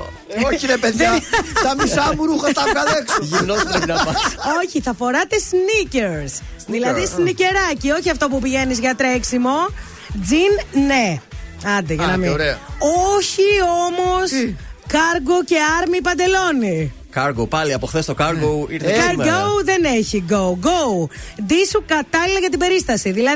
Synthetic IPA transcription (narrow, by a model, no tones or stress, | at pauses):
oiɾepeðat̪ɐmisɐmuɾuxɐt̪ɐkɐleksoʝinoeinɐɐoçiθɐfo̞ɾɐt̪e̞sniceɾsðilɐðisnice̞ɾɐcio̞çiɐft̪o̞pupiʝe̞nizʝɐt̪ɾeksimo̞ | d͡zinːeɐnd̪iʝɐnɐmiɾɐoçio̞mo̞skɐɾɡo̞ce̞ɐɾmipɐnd̪e̞lo̞ni | kɐɾɡopɐliɐpoxθest̪okɐɾɡoiɾθkɡoðeneçiɡouɡoud̪isukɐt̪ɐlilɐʝɐt̪ibe̞ɾist̪ɐsiðilɐ